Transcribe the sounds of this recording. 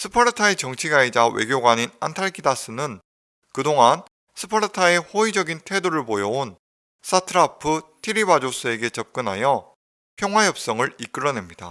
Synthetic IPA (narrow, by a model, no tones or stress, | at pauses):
sʰɯ̥pʰʌɾɯtʰae̞t͡ɕʌŋt͡ɕʰiɡaid͡ʑawe̞̰ɡjoɡwaɲina̰ntʰaɭkʰidas͈ʰɯnɯn | kɯdoŋan | sʰɯ̥pʰʌɾɯtʰae̞ɸoid͡ʑʌɡintʰe̞doɾɯɭpojʌon | s͈ʰatʰɯɾapʰɯtʰiɾibad͡ʑosʰɯe̞ɡe̞t͡ɕʌp̚k͈ɯnɦajʌ | pʰjʌŋɦwajʌp̚s͈ʌŋɯɭik͈ɯɾʌne̞mɲida̰